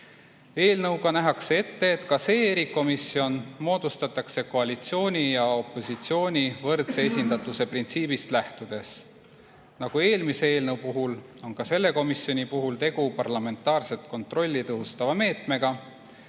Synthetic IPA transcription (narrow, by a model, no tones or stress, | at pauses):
e̞ːlnɤwɡ̥ɑnæɦɑksee̞t̪ːe̞ːt̪kɑse̞ːeɾiko̞misio̞nmo̞ːd̪̥ust̪ɑt̪ːˑɑkse̞ko̞ɑlʲit̪sio̞ːnʲijɑo̞pˑːo̞sit̪sio̞ːnʲivɤrt̪se̞esʲind̪ɑt̪ːˑuse̞print̪siːb̥ist̪læht̪ud̪̥e̞s | nɑɡ̥ue̞ːlmiseeːlnɤwpuɦulo̞nkɑse̞lːe̞ko̞misjo̞nʲipuɦult̪e̞ɡ̥upɑrlɑme̞nt̪ːˑɑːrse̞t̪ko̞nt̪ˑro̞lʲːit̪ɤɦust̪ɑvɑme̞ːt̪me̞ɡ̥ɑ